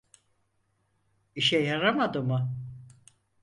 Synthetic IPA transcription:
iʃɛjaɾamad̪ɯmɯ

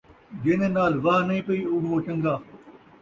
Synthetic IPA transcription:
d͡ʒɪnẽːnaːlʋaɦnəĩːpəiːʊɽoːt͡ʃə̃ŋɡaː

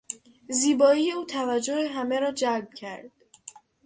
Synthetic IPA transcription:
ziːbɒːijeuːt̪ʰævæd͡ʒːoheɦæme̞ɾɒːd͡ʒæɾb̥cʰæɾd̪̥̚

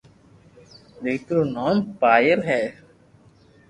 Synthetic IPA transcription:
d̪eːkɾoːnoːmpaːjəɾɦɛː

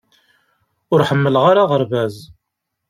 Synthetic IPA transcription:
ʊɾħəmːəlʁaɾaʁəɾvæz

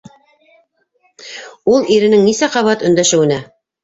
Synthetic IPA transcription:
ulˠiɾɘ̆nɘŋnisæqɑβɑt̪ɵ̆nd̪æʃɘ̆wɘ̆næ

